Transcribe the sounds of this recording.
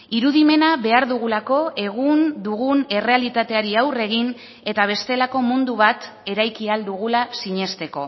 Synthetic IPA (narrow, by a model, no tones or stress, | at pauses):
iɾuðime̞naβe̞aɾðuɣ̞ulako̞e̞ɣ̞und̪uɣune̞re̞alit̪at̪e̞aɾiawre̞ɣ̞in | e̞t̪aβ̞e̞st̪e̞lako̞mund̪uβ̞at̪ | e̞ɾajkiald̪uɣ̞ulasiɲe̞st̪e̞ko̞̰